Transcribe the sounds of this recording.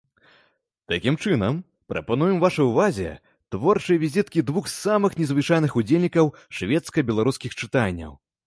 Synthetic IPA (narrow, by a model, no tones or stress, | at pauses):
t̪akʲimt͡ʂɨnɐm | pɾɐ̰panujɛmvaʂɐjuvazʲɛ̰ | t̪vɔrt͡ʂɨjɐvʲizʲit̪kʲid̪vuxsamɨxnʲɛzvɨt͡ʂajnɨxud͡zʲelʲnʲikɐwʂvʲɛt̪skɐbʲɛlˠaɾuskʲixt͡ʂɨt̪anʲːɐ̰w